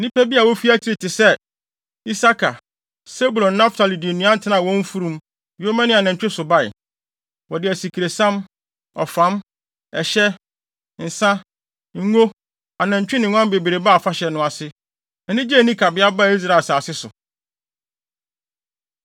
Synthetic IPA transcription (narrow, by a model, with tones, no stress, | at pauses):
nĩ˦pæ˦bi˦a˨wɔ˦fi˦æ˦t͡ɕʰi˦ɾi˨tʰɪ˨sɛ˦ | i˦sa˦kʰa˨ | se˦bu˨lɔ̃˨nːã˦ftʰa˨li˨di˨nũ˦ã˦n̩˨tʰɪ˦nã˨wɔ̃˦ɱ˦fu˦ɾũ˦m | jo˦mã˦nɪ̃˦a˨nã˨ɲ˨t͡ɕᶣɪ˦sʊ˨ba˦˨ɪ̰˨ | wɔ˨dɪ˨æ˨si˨kʰi˨ɾe˨sã˦m | ɔ̰˨fã˨˦m | ɛ˨ɕɛ˦ | n̩˨sã˦ | ŋ̩˦ŋo˦ | a˨nã˨ɲ˨t͡ɕᶣɪ˦nɪ̃˨ŋʷ˦ã˦m˦be˨be˨ɾe˨ba˦˨fa˦ɕɛ˨nʊ̃˦a˨sɪ˦ | ɛ˨nɪ̃˦d͡ʑɛ˦˨nĩ˦kʰa˨bɪ˦a˦ba˦˨i˦s̬ɾa˨saː˨sɪ˦sʊ̰˨